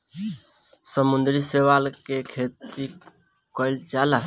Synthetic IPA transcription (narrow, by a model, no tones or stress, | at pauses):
səmũnd̪ɾisewalkekʰet̪i | kəɪld͡ʒala